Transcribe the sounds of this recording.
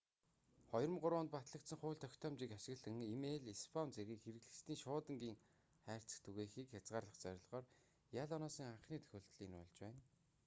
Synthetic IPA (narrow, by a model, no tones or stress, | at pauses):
χɔjrə̆mɢʊɾʊːnt̪̚pat̪ɮə̆k̚t̪sə̆ŋχʊːɮt̪ʰœkʲt̪ʰɔːmt͡ɕiːkaʃɪ̆ɣɮə̆ŋimeɮispʰɔmt͡seɣʲiːkxeɾɘ̆ɣɮɘ̆st̪ʰiːŋʃʊːt̪ə̆ŋɡiːŋ | χæːr̥t͡sɘ̆kt̪ʰuɣeːxiːkxat͡sʁaːrɮə̆χt͡sœɾ̆ʲɮʁɔːr | jaɮɔnɔːsə̆ŋaɴχniːt̪ʰɵ̥xʲɵːɬt̪ɮiːnʊ̰ɮt͡ɕwæːn